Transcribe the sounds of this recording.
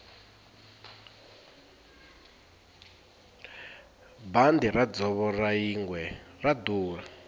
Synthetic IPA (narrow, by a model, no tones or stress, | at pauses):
band̪irad͡zɔβɔraiŋwɛrad̪uːra